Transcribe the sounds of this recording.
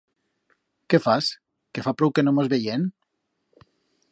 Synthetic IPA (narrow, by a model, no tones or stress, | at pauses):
kefas | kefapɾowkenomozβejen